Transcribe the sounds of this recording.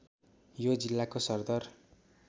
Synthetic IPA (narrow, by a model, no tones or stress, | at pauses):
jod͡zilːakosʌrd̪ʌr